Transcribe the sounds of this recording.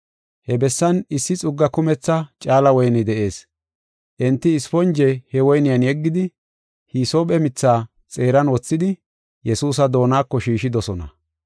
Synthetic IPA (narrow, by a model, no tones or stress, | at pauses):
hɛbɛsːɐnɪsːɪt͡sʼʊɡːɐkʊmɛt͡sːɐt͡ʃʼaːlɐwɔjnɪd̪ɛʔe̞ːs | ʔɛnt̪ːɪːsfɔnd͡ʒɛhɛwɔjnɪjɐnjɛɡːɪd̪ɪ | hisoːpɛmɪt͡sːaː | t͡sʼe̞ːɾɐnwɔt͡sːɪd̪ɪ | jɛsuːs̬ɐd̪o̞ːnaːkːɔʃiːʃɪd̪ɔsɔnɐ̰